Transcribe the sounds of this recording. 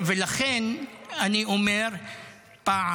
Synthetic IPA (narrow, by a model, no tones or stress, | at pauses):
velaχenaniʔomeɾ | pa